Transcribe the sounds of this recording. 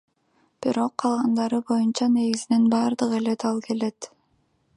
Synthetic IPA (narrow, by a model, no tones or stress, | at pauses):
b̥iɾo̞qʰːɑlˠʁɑnd̪ɑɾɯbo̞junt͡ʃɑne̞ɡizinenbɑːɾd̪ɯʁe̞let̪ɑlˠke̞le̞t̪